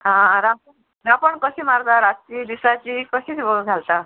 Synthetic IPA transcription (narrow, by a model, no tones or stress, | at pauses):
ɦãɾapəɳ | ɾapəɳkəɕiːmaɾt̪aɾat̪t͡ɕiːd̪isat͡ɕiːkəɕit̪ibəɡɡʱalt̪a